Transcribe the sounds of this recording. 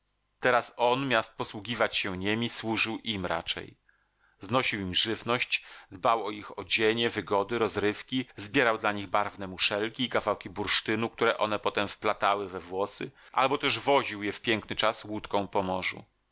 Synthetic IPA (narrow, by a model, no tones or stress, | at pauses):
t̪ɛɾasɔnmʲjast̪̚pɔswuɡʲivat͡ɕɕɛɲemʲiswuʐɘwʔimɾa̰t͡ʂɛ̰j | znɔɕiwimʐɘvnɔɕt͡ɕd̪bawɔixɔd͡ʑeɲɛvɘɡɔd̪ɘɾɔzɾɘfkʲizbʲjɛɾawd̪laɲiɣbaɾvnɛmuʂɛlkʲiːkavawkʲibuɾʂt̪ɘnuk̚t̪uɾɛʔɔnɛpɔt̪ɛmfplat̪awɘvɛvwɔsɘ̰ʔa̰lbɔt̪ɛʐvɔʑiwjɛfpʲjɛŋknɘt͡ʂaswut̪kɔ̃w̃pɔmɔʐṵ